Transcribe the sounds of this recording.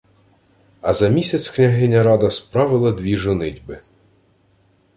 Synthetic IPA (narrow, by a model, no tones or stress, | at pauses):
ɐzɐmʲisʲɐt̪sʲknʲɐɦɪnʲːɐɾɑd̪ɐspɾɑʋɪlˠɐd̪ʲʋʲiʒʊnɪdʲbɪ